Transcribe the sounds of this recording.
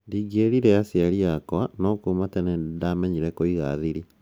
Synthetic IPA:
ndiɡeɾiɾɛasiaɾiakwanɔkumatɛnɛdamɛɲiɾɛkoiɣa̰ðiɾi

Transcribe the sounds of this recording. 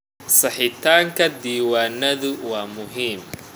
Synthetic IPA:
sɐħɪt̪ʰaːŋkʰɐd̪iːwaːnɐðʊwaːmʊɦiːm

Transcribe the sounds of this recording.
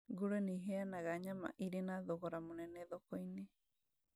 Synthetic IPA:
ɡuɾeniɦeanaɣaɲama̰ʔiɾenaðoɣɔɾamonɛnɛðokoine

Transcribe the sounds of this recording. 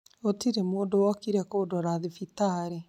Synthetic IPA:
otiɾemoːdowɔkiɾɛkoːdɔɾaðifitaɾe

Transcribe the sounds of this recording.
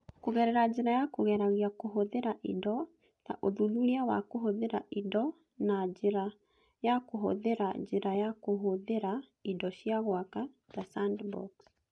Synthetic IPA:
koɣɛɾɛɾad͡ʑeɾajakoɣɛɾaɣiakoɦoðeɾaʔidɔ | ta̰ʔoðunuɾeawa̰koɦoðeɾaʔidɔ | nad͡ʑeɾa | jakoɦo̰ðeɾad͡ʒeɾajakoɦoðeɾa | idɔɕiaɣwaka | tasandbɔ̰ks

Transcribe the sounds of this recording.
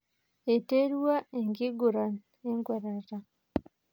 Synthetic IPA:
eteɾwaeŋɡiɡuɾan | eŋɡwaɾaɾa

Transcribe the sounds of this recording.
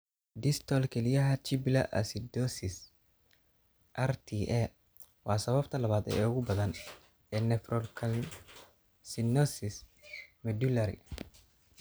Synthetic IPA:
d̪ɪst̪ʰɔlkʰɛlijɐɦɐt͡ʃɪblɐʔɐ̰sid̪ɔsɪs | ʔɐrt̪ʰiʔɛ | wɑːsɐβɐbt̪ʰɐlɐβaːd̪ɛ̰ːʊɣʊbɐðɐn | ɛːnɛfɾɔlkʰɐl | sinɔsɪsmɛd̪ulɐɾḭ

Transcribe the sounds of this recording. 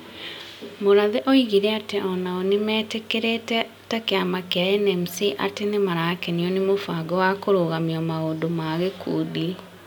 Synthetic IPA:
moɾaðeʔɔiɣiɾɛateɔnaɔnemɛːtekeɾetɛ | takeamakeaɛnɛmsiʔa̰tenemaɾakeniɔnemofaɡɔwakoɾoɣamiɔmaɣoːdomaɣekʰudi

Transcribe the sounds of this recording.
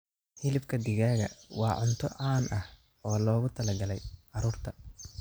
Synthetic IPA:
hɪlɪbkʰɐd̪ɪɣaːɣɐ̰wɑ̰ːʕʊnt̪ʰɔʔɑːnʔɐh | ɔːlɔːɣʊt̪ʰɐlɐɡɐlɛjʕɑɾuːrt̪ʰɐ

